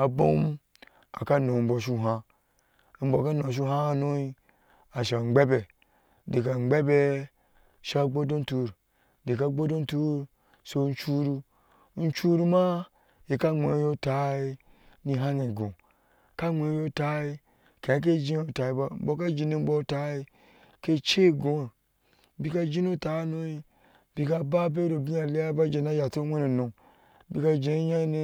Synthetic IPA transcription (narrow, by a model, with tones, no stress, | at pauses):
a˨bo̰˦m˦ | a̰˨ka˦no˨m̩˦bo˨ʃ̬u˦˨ɦa˦ | m̩˦bo˨ka˦nõ˨ʃ̬u˦ha˦a˦˨no˦i˦ | a˨ʃa˨ŋ͡mɡ͡be˦be˨ | di˨ka˨ŋ͡mɡ͡be˦be˦ | ʃa˦ɡ͡bo˦do˦n˦tu˦ɾ | di˨ka˦ɡ͡bo˦do˦n˦tu˦ɾ | so˦n˦t͡ʃu˦ɾu˦ | n̩˦t͡ʃu˦ɾu˦ma˦ | ji˨ka˦ŋ͡mḛ˨˦jo˦ta˨˦i˦ | ni˧ɦa˦ne˨ɡõ̰˨ | ka˦ŋ͡me˨˦jo˦ta˦i˦ | kẽ˨a˦k̬e˦d͡ʒĩ˦o˦ta˨i˦ba˦m̩˦bo˦ka˦d͡ʒi˨ni˦m̩˦bo˦ta˦i˦ | ke˦t͡ʃe˦˨ɡõ˨˦˨ | bi˦ka˦d͡ʒi˦no˦ta˨˦no˦i˦ | bi˧ka˦ba˦b̬e˦ɾo˨bi˦ja˨le˦ja˦ba˦d͡ʒe˨na˦ja˨to˦wʷe˦no˨nõ˨ŋ | bi˦ka˦d͡ʒe˨˦ja˦ne˦